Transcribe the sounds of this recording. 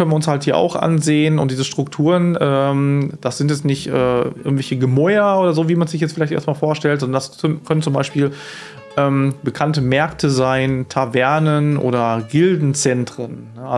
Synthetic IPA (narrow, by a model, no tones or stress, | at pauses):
œnənːʊnshalthiːɐʔa̰ʊxʔa̰nzeːənʊntdiːzəʃtʁ̥ʊktʰuːʁənʔɛːmd̥asz̥ɪntjɛt͡stnɪçtʔɛ̰ːʔɪ̰ɐɡŋtvɛlçəɡəmɔʏɐʔoːɾɐzoːviːmanzɪç̬jɛt͡stfɪlaɪtḛɐst̚maːlfoːɐʃtɛltzɔndɐndaskʰœnənt͡sʊmbaɪʃpiːl | ʔɛːmbəkʰantəmɛɐktʰəzaɪntʰavɛɐnənʔo̰ːdɐɡɪldn̩t͡sɛntʁ̥ənːəʔa